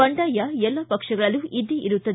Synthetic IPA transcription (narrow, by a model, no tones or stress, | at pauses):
ɐɳɖaːjɐɛlːɐpɐkʂɐɡɐɭɐluʔid̪ːiʔiɾut̪ːɐd̪